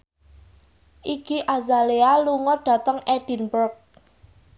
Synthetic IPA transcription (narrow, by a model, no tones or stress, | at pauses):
ʔiɡiʔazalealuŋɔɖ̥ä̤t̪əŋeɖ̥i̤nbərk̚